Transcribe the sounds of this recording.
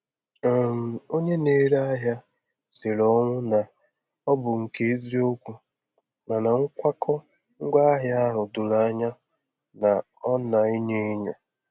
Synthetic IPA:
a˨m̩˨o˦ɲe˦ne˦ɾa˦ɦja˦ | se˨lɔ˦ŋʷʊ˦na˨ | ɔ˦bʊ˨ŋ̩˨ke˦zi˦o˦kʷu˦ | ma˨na˨ŋ̩˦kʷa˦kʰɔ˦ | ŋ̩˦ɡa˦ɦja˦ɦʊ˨dʊ˨la˨˦ɲa˦ | na˨ | ɔ˦na˨i˦ɲe˦ɲɔ˨

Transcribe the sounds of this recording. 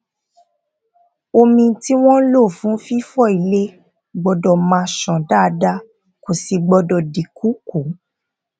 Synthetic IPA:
o˧mĩ˧˦ti˦w̃ɔ̃˦lo˦˨fũ˨˦fi˦fɔ˦˨i˨le˦ | ɡ͡bɔ˧dɔ˧˨mã˧ʃɔ̃˨da˦˨˧da˦ | ko˨si˧ɡ͡bɔ˧dɔ˧di˨ku˨˦ku˨˦

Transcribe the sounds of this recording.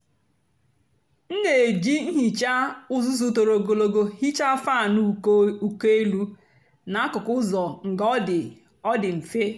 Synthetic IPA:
n̩˦ne˨d͡ʒi˦ŋ̩˦ɦi˨t͡ʃa˦ʊ˦zʊ˦zu˦to˨ɾo˨ɡo˨lo˨ɡo˦hi˦t͡ʃa˦fa˦˨nu˦u˦ke˦lu˦ | na˨a˦kʊ˨kʊ˦zɔ˨ŋ̩˨ɡɔ˦dɪ˨ | ɔ˦dɪ˨m̩˨fe˦

